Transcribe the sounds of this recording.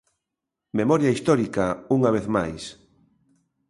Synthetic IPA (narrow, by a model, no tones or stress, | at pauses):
memɔɾjaist̪ɔɾikauŋaβ̞eθma̰js